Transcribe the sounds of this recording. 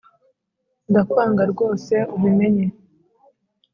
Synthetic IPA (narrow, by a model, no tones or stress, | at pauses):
ndakwaːŋɡaɾɡo̞ːse̞uβume̞ɲe̞